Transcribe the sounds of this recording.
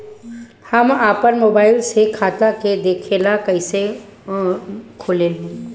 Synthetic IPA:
hɐmaːpəɾmoːbaːɪlsekʰaːt̪aked̪eːkʰeːlakəɪse | kʰoːlel

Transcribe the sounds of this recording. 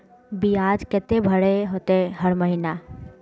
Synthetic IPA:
biaːd͡ʒkɛt̪ebʱəɽeɦot̪eɦəɾməɦina

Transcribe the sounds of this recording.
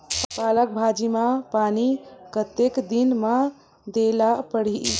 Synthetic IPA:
palək̚bʱad͡ʒimãpanikət̪ekd̪inma | d̪elapəɽ̤i

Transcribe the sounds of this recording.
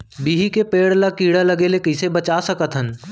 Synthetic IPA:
biːɦikepeːɽlakiːɽaləɡeːlekəsebət͡ʃasəkət̪ɦən

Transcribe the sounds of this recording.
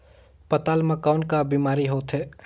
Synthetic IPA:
pɐt̪aːlmɐkaːnkabiːmaːɾiɦoːt̪ɦɛː

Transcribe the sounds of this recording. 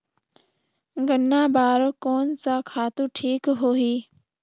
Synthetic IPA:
ɡənːaːbaːɾokoːnsakʰaːt̪ũʈʰiːkɦoːɦiː

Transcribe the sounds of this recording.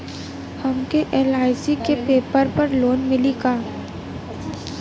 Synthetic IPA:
hɐmkeʔɛːlaːɪsikepeːpəɾpɐɾloːnmɪliɡaː

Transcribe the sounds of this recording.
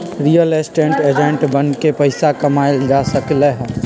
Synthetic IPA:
ɾijəleːsʈẽːɳʈeːd͡ʒẽɳʈbɐnkepɐɪsakɐmaːjd͡ʒaːsɐkleɦɛː

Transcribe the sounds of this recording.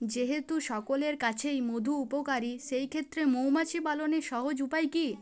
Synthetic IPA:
d͡ʑeɦet̪uʃɔkoleɾkat͡ɕʰejmod̪ʱuupokaɾiʃejkʰet̪ːɾemowmat͡ɕʰibaloneʃɔɦod͡ʑupajki

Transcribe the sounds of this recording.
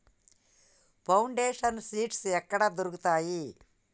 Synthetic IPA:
pʰɐwɳɖeːʂɐnsiːʈsɛkːɐɽɐd̪oɾukut̪aːji

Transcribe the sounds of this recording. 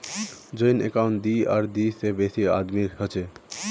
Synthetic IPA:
d͡ʒəjnḛkaʊ̃ɳʈ̚d̪iaːɾd̪isebesia̰d̪miɦət͡ʃʰe

